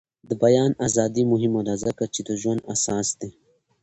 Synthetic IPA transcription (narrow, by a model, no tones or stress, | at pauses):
d̪əbajɑːnaːzɑːd̪imʊɦimoɾazakat͡ʃed̪əʒwand̪a̰sɑːsd̪e